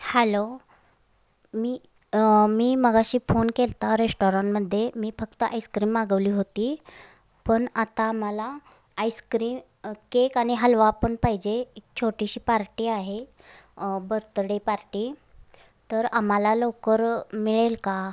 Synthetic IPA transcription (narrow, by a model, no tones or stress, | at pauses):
hɛlo | miː | miːməɡaɕiːfonkelt̪aɾesʈoɾaɳʈməd̪ʱːjemiːfək̚t̪əʔajskɾiːmːaɡəʋliːɦot̪iː | pəɳat̪aːm̤əlaː | jskɾiːm | kekaɽ̃iɦəlʋapəɳpaɦid͡ʑeekt͡ɕʰoʈiɕiːpaɾʈiːaɦe | bəɾt̪ɽepaɾʈiː | t̪əɾamalalokəɾmiɭelka